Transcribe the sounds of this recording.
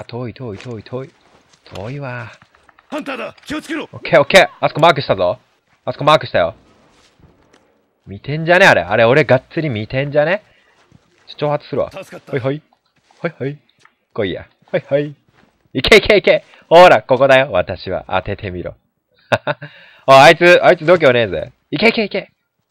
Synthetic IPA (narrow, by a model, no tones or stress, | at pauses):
at̪ʰo̞ːit̪ʰo̞ːit̪ʰoːit̪ʰoːi | t̪ʰo̰ːiβa | kiot͡skeokʰeːokːeːasɨ̥komaːkɯ̟ɕi̥t̪azo | asɨ̥komaːkɯ̟ɕi̥t̪ajo̞̰ | mʲit̪ẽ̞ɲ̟d͡ʑaneaɾe̞̰ʔa̰ɾeo̞ɾe̞ɡat͡st͡sɨɾʲimʲit̪ẽ̞ɲ̟d͡ʑane | t͡ɕo̥t͡ɕo̞ːhat͡sɨ̥sɨɾɯ̟βa̰oiɦoi | hoihoi | koija̰ | hoihoi | ikʰeike̞ike | hoːɾako̞ko̞d̪ajo̞βat̪aɕiβa̰ʔa̰t̪e̞t̪ʰe̞mʲiɾo̞̰ | aait͡sɨait͡sɨd̪o̞ːk̬ʲeoneːzɨe | ike̞ikeike